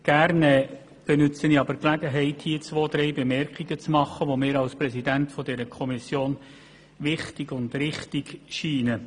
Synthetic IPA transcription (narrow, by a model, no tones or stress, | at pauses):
ɡ̥æːɾnɛ | b̥ɛnʏt͡səniɑbəɾklæɡəɦɛɪthiːət͡sʋoːd̪ɾɛɪbɛmɛɾkχiɡət͡smɑχːəʋɔmɪːɾɑlspɾɛsidæntfɔdɛɾəkʰɔmisjoːn | ʋɪχtiɡ̥ʊndɾɪχtiɡ̥ʃiːnə